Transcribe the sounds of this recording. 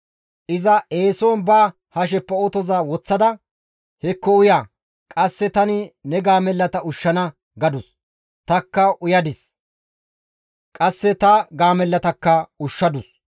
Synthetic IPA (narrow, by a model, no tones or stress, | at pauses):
ʔɪzɐʔeːsɔːnbaː | hɐʃ̬ɛpːɐot̪ɔzaːwɔt͡sːɐd̪ɐ | hɛkːɔʊjaː | kʼɐsːɛt̪ɐnɪnɛɡaːmɛlːɐt̪ɐʊʃːɐnɐ | ɡɐd̪ʊs | t̪ɐkːɐʔʊjɐd̪ɪs | kʼɐsːɛt̪ɐɡaːmɛlːɐt̪ɐkːɐʊʃːɐd̪ʊs